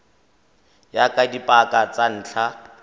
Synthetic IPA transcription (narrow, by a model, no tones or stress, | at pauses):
jakʼadipʼakʼat͡sʼan̩ːt͡ɬʰa